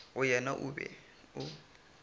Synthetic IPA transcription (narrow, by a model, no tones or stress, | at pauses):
ʊjɛnaʔʊbɛ̰ | ʊ